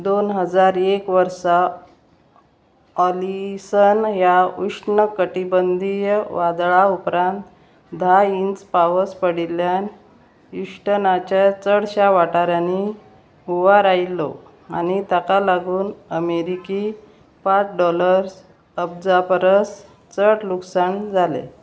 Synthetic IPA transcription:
d̪onɦəd͡zaɾekʋəɾsa | ɔlisənɦjauʂnəkəʈibənd̪ʱijəʋad̪ɭaupɾãnt̪ | d̪ʱaint͡spaʋəspəɽiljan | uʂʈənat͡ɕjat͡səɽɕaʋaʈaɾjani | uʋaɾailːo̰ | anit̪akalaɡuːnəmeɾiki | pat͡sɖɔləɾs | əb̚d͡zapəɾəs | t͡səɽluksaɳd͡zʱalḛ

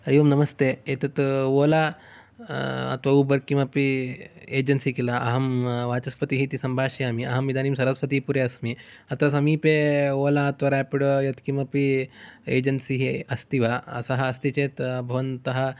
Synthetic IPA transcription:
ɐɾiʋɐmnɐmɐst̪eet̪ɐt̪ʋoːla | ɐ̰t̪ʋɐubɐɾkĩʋɐpieːd͡ʑɐnsikilaʔɐɦɐmʋaːt͡ʃɐspɐt̪iɦit̪isɐmbʱaːʃiamiɐɦɐmʋid̪ʱaːniːmsɐɾɐsʋɐt̪ipuɾeɐsmiɐt̪ɾɐs̬ɐmiːpeʋoːlaɐt̪ʋɐɾapiɽjɐt̪kimʋɐpiḛːd͡ʑɐnsiɦiɐst̪iʋaɐ̰saɦɐɐst̪it͡ɕeːt̪bʱɐʋɐnt̪ɐɦa

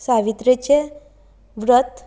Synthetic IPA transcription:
saʋit̪ɾet͡ɕe | ʋɾət̪

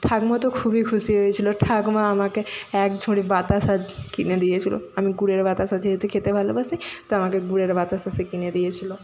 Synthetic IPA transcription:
ʈʰaɡmat̪okʰubikʰuʃiɦojet͡ɕʰiloʈʰaɡmaamakeɛkd͡ʑʱoɽibat̪asakined̪ijet͡ɕʰilo̰amiɡuɽeɾbat̪asad͡ʑeɦet̪ʰekʰet̪ebʱalobasijt̪oamakeɡuɽeɾbat̪asasekined̪ijet͡ɕʰilo

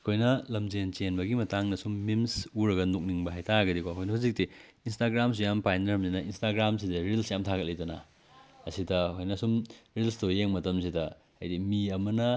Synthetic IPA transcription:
ɐkʰojnɐlɐmd͡ʒent͡ʃenbɐɡimɐtaŋnɐsumːimsuɾɐɡɐnuk̚niŋbɐɦajtʰaɡɐdikʰwaɐkʰojnɐhuzik̚ti | instaɡɾams̬ujampajnɐɾɐmzinɐinstaɡɾams̬idɐɾilsjamtʰaɡɐt̚lɐjtɐnɐ̰ | ɐsidɐkʰojnɐsumɾilstojeŋmɐtɐmsidɐ̰ː | jdimiɐmɐnɐ

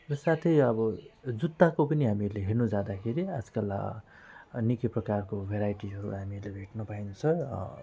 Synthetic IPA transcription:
rʌsat̪ʰʌjʌbʌd͡zut̪ːakopʌniɦamieɾleɦernud͡zad̪akʰeɾiad͡zkala̰ | nikiprʌkarkobʱeɾajʈiɦʌɾṵɦamieɾlebʱeʈnʌpajnʌt͡sʰʌ

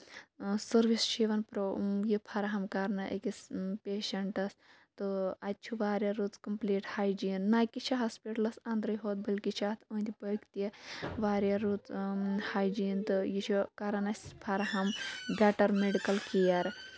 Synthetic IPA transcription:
sɐɾʋist͡ʃʰiʋɐnpɾojipʰɐɾɐɦɐmkaɾnɐʔɐ̰kispʲeːʃɐɳʈɐs | t̪ɨɐt̪̚ʲt͡ʃʰuʋaːɾjɐɾut͡skɐmpliːʈhaːjd͡ʒinːaːjkit͡ʃʰiɦaspiʈɐlɐsãːnd̪ɾɐjɦoːt̪̚bɐlʲkit͡ʃʰaːt̪ʰuːnd̪ʲipɐkt̪ɐʋaːɾjaɾuːt͡shaːjd͡ʒiːnt̪ɨjit͡ʃʰukaɾɐnɐsʲpʰɐɾɐɦɐmbʲaːʈɐɾmeɖikɐlkijɐɾ

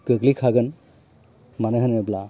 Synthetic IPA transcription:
kəɡlikʰaɡɯn | manɯɦɯnəbla

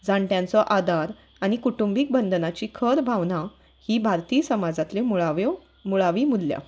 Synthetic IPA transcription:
d͡zaɳʈjãnt͡sɔʔad̪ʱaɾ | aɽ̃ikuʈumbiːk̚bənd̪nat͡ɕiːkʰəɾbʱaʋna | hiːbʱaɾt̪iːsəmad͡zat̪lemuɭaʋɔ | muɭaʋiːmud̪lja̰

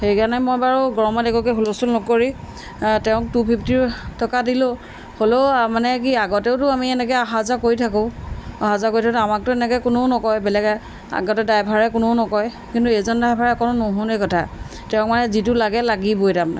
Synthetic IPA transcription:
xejkanɛmojbaɹuɡɔɹɔmadɛkɔkɛɦolosulnɔkoɹi | tɛʊ̃k̚tupʰip̚ʰtiɹtʰɔkadilo | holomanɛk̬iaɡɔteʊtʊamiɛnɛkɛaɦazakoɹitʰakoaɦazakoɹitʰaktamak̚tʊɛnɛkɔjkʊnonɔkɔjbɛlɛkɛ | a̰ɡɔtɛdajbʱaɹɛkʊnoʊnɔkɔj | kintuezɔndajbʱaɹɛkɔnʊnoɦɔ̃nekɔtʰa̰ | tɛʊ̃kmanɛzitʊlaɡɛlaɡibojtam̰

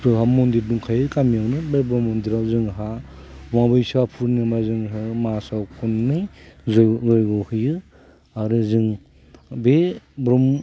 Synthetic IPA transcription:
ɯɦamondiɾduŋkʰajɯkamiawnɯbebɾɔmːɔndiɾawzɯŋɦa | waŋbɯjsapʰuɾnɯmazɯŋɦɯmasawkʰunːɯjzzɔjɡɯhɯjɯ | aɾɯzɯŋ | bebɾɔm

